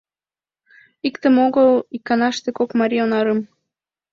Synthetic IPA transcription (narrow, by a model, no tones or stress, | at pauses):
ikt̪ə̆moɣɤlikːɑnɑʃt̪ekokmɑɾʲionɑɾɤ̆m